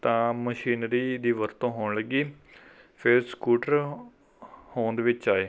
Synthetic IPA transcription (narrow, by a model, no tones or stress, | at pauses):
t̪ãːməʃiːnɾiːd̪iːʋəɾt̪õːɦoːɳləɡiː | pʰɪɾskuːʈəɾ | hoːnd̪eːʋɪt͡ʃaːeː